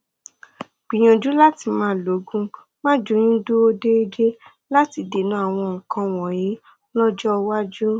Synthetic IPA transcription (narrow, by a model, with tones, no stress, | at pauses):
ɡ͡b̥ĩ˨j̃ã˨d͡ʒu˨˦la˦ti˧mãː˦˨lo˨˦ɡũ˦ | mã˦d͡ʒo˨˦j̃ĩ˦do˦o˦de˦i˦d͡ʒe˦ | la˦ti˧de˨nũ˨˦a˦˨w̃ɔ̃˧ŋ̩˨kã˧w̃ɔ̃˨jĩ˨˦ | lɔ˦d͡ʒɔ˦˧wa˦d͡ʒu˦